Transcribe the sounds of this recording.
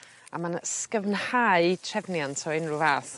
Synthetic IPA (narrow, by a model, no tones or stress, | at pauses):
a̰manskəvnhaɨtʰrɛvnjantʰɔɪnruvaːθ